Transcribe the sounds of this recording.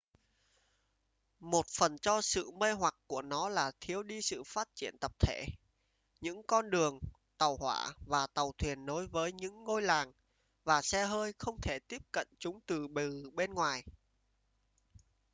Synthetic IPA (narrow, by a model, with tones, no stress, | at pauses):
mo˨˩t̚fə˨˩nt͡ɕɔ˧sɨ̰˧˨mə˧jɦwa˨˩k̚ku˧˩ənɔ˨˦laː˨˩t̪ʰi˨˦əwɗi˧sɨ̰˧˨faː˦˥t̚t͡ɕḭ˧˩ənt̪ə˨˩p̚t̪ʰe˧˩ | ɲɨ̰˧˥ŋkɔ˧nɗɨ˨˩əŋ | t̪ə˨˩whwa̰ː˧˩vaː˨˩t̪ə˨˩wt̪ʰwi˨˩ənːo˨˦jvəː˨˦jɲɨ̰˧˥ŋːo˧jlaː˨˩ŋ | vaː˨˩sɛ˧ɦəː˧jxə˧wŋ͡mt̪ʰe˧˩t̪i˦˥əp̚kə̰˧˨nt͡ɕʊ˨˦ŋ͡mt̪ɨ˨˩ɓɨ˨˩ɓe˧nŋwaː˨˩j